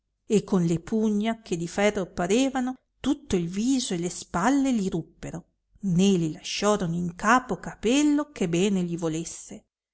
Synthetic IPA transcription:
ekːonlepuɲːakʰed̪ifɛrːopːaɾeːvano | t̪ut̪ːoilviːzoelespalːeliɾupːeɾo | nelilaʃːɔːɾonoiŋkaːpokapɛlːokebɛːneʎivolesːe

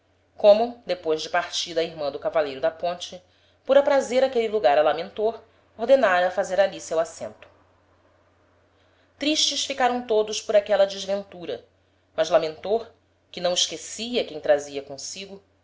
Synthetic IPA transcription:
kõmʊd̪epojzd͡ʒɪpaɾt͡ʃid̪ɐiɾmɐ̃d̪ʊkavalejɾʊd̪ɐpõnt͡ʃɪ | pʊɾapɾazeɾakeliluɡaɾɐlamẽnt̪oɾ | ohd̪enaɾɐfazeɾalisewasḛ̃nt̪ʊ̥ | t̪ɾiʃt͡ʃɪsfikaɾɐ̃w̃t̪od̪ʊʃpʊɾakɛlɐd͡ʒɪʒvẽnt̪uɾɐ | mɐzlamẽnt̪oɾ | kɪnɐ̃w̃iʃkesiɐkẽj̃t̪ɾaziɐkõsiɡʊ

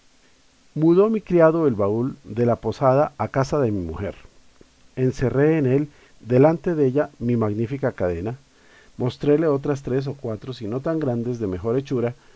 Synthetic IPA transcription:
muðo̞mikɾiaðoelβauld̪e̞lapo̞saðaakasaðe̞mimṵxe̞̰ɾ | e̞nse̞re̞ːne̞l | d̪e̞lant̪e̞ðeeʝamimaɣnifikakaðe̞na | mo̞st̪ɾe̞le̞o̞t̪ɾas̬t̪ɾe̞s̬o̞kwat̪ɾo̞sino̞t̪aŋɡɾand̪e̞zðe̞me̞xo̞ɾe̞t͡ʃuɾa

